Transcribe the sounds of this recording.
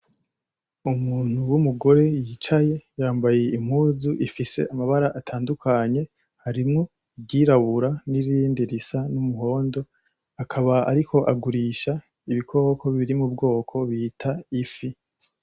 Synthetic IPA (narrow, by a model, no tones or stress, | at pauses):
umuːn̥uwumuɡo̞ɾe̞jiːt͡ʃaje̞jaːmbaje̞im̥huːzuʔifise̞̰ʔamaβaɾaʔatʰaːndukʰaɲe̞ | haɾimŋo̞ | bɡiːɾaβuɾaniɾiːndiɾisanumuho̞ːndo | akʰaβaa̰ɾikʰo̞ʔaɡuɾiːʃa | iβikʰo̞ːkʰo̞βiɾimŋubɡo̞ːkʰo̞βiːtʰaifi